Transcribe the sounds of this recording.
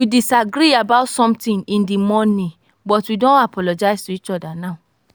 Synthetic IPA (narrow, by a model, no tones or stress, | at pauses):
widisaɡɾiabaʊtsɔ̃mtĩŋĩndimɔ̃nĩ | bɔtwidɔ̃napʰɔlɔd͡ʒaɪstuit͡ʃɔdanaʊ